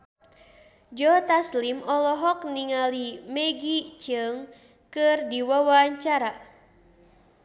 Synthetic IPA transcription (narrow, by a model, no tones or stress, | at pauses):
d͡ʒɔt̪aslimɔlɔɦɔk̚niŋalimɛɡit͡ʃɨŋ | kɨrdiwawaɲt͡ʃaɾa